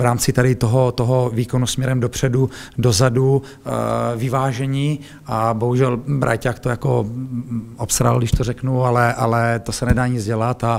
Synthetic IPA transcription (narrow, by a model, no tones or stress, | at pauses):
vɾaːmt͡sɪt̪adɪt̪oɦot̪oɦoviːko̞nusmɲɛɾɛmdopr̝̥ɛdudo̞zadu | vɪvaːʒɛɲi | ʔabo̞ɦuʒɛlbɾʔa̰jcaːkt̪ojako̞ | ʔopsɾa̰ɪldɪʃt̪orɛknualɛʔalɛt̪osɛnɛdaːɲɪd͡zɟɛlat̪a